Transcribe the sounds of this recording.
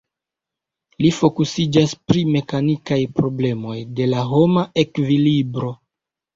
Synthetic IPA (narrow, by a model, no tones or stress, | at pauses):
lifo̞kusid͡ʒaspɾime̞kanikajpɾo̞ble̞mo̞jde̞laɦo̞maʔe̞kvilibɾo̞